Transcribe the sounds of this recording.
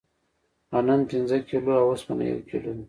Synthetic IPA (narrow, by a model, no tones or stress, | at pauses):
ananpinzəkʰiluawasmana̰jo̰kilun